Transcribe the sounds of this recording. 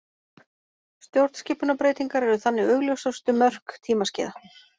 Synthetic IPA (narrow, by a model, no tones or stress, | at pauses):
st̪jowɾt̪scɪːpʏnapɾeːjt̪iŋkaɾɛɾʏθanːɪɣʏɣljowsawst̪ʏmœr̥kt̪ʰiːmascɪ̰ːða